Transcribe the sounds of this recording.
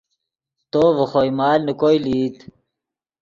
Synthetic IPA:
t̪oːʋəxojmaːlnukojliːt̪

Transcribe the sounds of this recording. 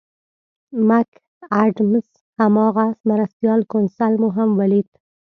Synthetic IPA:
mak | aɖms | hamɑɣasmaɾast̪jɑlkʊnsalmuɦamwalit̪

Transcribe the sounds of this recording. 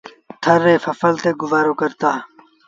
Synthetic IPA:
t̪ʰɐɾːeːfɐfɐlt̪eɡʊzaːɾoːkɐɾt̪aː

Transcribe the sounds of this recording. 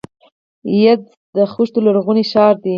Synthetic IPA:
jad | d̪əxuʃt̪olaɽɣuniʃɑɾd̪i

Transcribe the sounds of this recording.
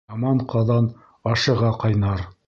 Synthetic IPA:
ɑmɑɴqʰɑðɑn | ɑʃɤ̆ʁɑqɑjnɑɾ

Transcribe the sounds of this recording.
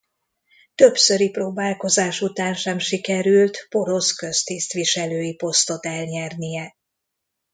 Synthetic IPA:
t̪ø̞psøɾiproːbaːlko̞zaːʃut̪aːnʃɛmʃikɛɾylt̪po̞ɾo̞skø̞st̪ist̪ʋiʃɛløːjipo̞st̪o̞t̪ɛlɲɛrnijɛ

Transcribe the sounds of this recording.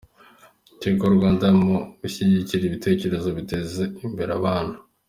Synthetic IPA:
tekoɾɡwaːndamuβuçiɟiciɾiβite̞ːce̞ɾe̞zo̞βite̞ze̞imbe̞ɾaβaːn̥hḁ

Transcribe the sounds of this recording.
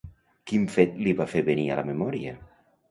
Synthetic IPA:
kiɱfet̪liβafeβenialamemɔɾia

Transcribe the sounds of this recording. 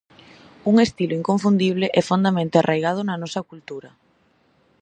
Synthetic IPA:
uŋest̪iloiŋkoɱfund̪iβ̞leʔɛfond̪amẽnt̪ɪarʔajɣ̞að̞ʊnɐnɔsɐkult̪uɾɐ

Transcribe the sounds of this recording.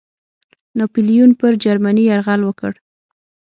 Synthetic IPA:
nopilijunpəɾd͡ʒaɾmaniaɾɣalwəkəɽ

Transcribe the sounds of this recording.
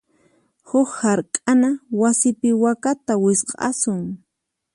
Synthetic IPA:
hʊkhaɾkʼanawasɪpɪwakat̪awɪsqʼɑ̰sʊŋ

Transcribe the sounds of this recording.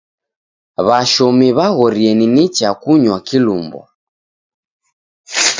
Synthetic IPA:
βaʃɔmiβaɣɔɾiɛninit͡ʃakuɲwakilṵmbɔ̰

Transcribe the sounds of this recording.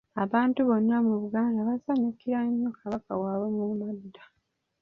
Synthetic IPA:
aβaːntuβo̞nːamuβuɡaːndaβasaɲukiɾaɲːokʰaβakawaːwe̞mumadːa

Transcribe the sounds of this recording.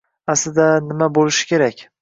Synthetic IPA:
aslɪd̪anɪmabolɪʃɪ̥kʲʰe̞ɾakʲ

